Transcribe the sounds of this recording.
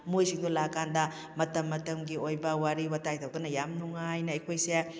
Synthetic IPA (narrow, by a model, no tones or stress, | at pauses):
mujsiŋd̪ulakːandɐ | mɐtɐmːɐtɐmɡiojbɐwaɾiwɐtajtʰɐwd̪ɐnɐjamnuŋajnɐɐjkʰojse